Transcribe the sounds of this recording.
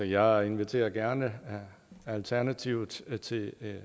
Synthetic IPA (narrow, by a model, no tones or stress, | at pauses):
ɒ̽jɑ̈ɪe̝nʋit͡sʰe̝̰ːɐɡ̥æɐnə | ælt͡sʰæɐnæt͡sʰiʊð̩ˠt͡sʰe̝